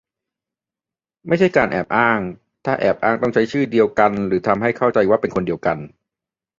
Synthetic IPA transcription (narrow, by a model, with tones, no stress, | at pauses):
ma˥˩jt͡ɕʰa˥˩jkaː˧nʔɛ̰ː˨˩p̚ʔaː˥˩ŋ | t̪ʰaː˥˩ʔɛ̰ː˨˩p̚ʔaː˥˩ŋt̪ɔ˥˩ŋt͡ɕʰa˦˥jt͡ɕʰɯː˥˩di˧əwka˧nɾɯː˩˦t̪ʰa˧mɦa˥˩jkʰa˥˩wt͡ɕa˧jwaː˥˩pe˧nkʰo˧ndi˧əwka˧n